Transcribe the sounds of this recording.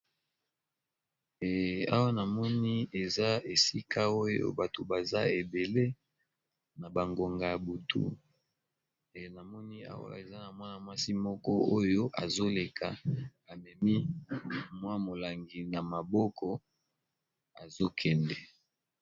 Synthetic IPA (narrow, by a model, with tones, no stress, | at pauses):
e˨a̰˦wa˦na˨mɔ˦ni˦e˨za˦e˨si˦kʰa˦o˦jo̰˦ba˨to˨ba˨za˦e˨be˨le˦ | na˨ba˨ŋɡo˨ŋɡa˨ja˨bu˨tʰṵ˦ | e˨na˨mɔ˦ni˦a̰˦wa̰˦˨e˨za˦na˨mwa˦na˨mwa˦si˦mɔ˦kɔ˦o˦jo˦ʔa˨zo˦le˨kʰa˨a˨mɛ˨mi˦ | mwa˦mo˨la˨ŋɡi˨na˨ma˨bɔ˦kʰɔ˦ | a˨zo˦kʰɛ˨ndɛ˨